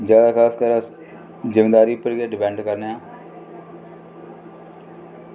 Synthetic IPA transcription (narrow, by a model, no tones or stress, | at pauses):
d͡ʒjaːd̪aːkʰaːskəɾas | zɪmeːd̪aːɾiːpəɾit̪eːɖɪpɛ̃ːɳɖkəɾnːãː